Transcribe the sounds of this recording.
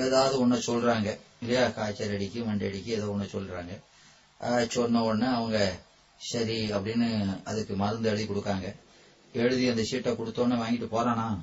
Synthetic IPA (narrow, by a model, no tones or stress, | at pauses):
eːðaːʋðɯɔnːɐsɔlɾaːŋɡɐɪlːɐjaːkaːt͡ʃːɐɾɐɽɪkːɯmɐɳɖɐɽɪkːɯɛðaːɔnːɐsɔlːɾaːŋɡɐ | aːt͡ʃːɔnːɐɔnːɯɐʋɐŋɡɐ | sɐɾiɐpːɐɽɪnːɯɐðɯkːɯmɐɾɯnd̪ɐɛɻɯðikɔɽɯkːaːŋɡɐ | ɛɻɯðɪɐnd̪ɐsiːʈːɐkɔɽɯt̪ːõːnːɯʋaːŋɡɪʈːɯpoːɾãːnãː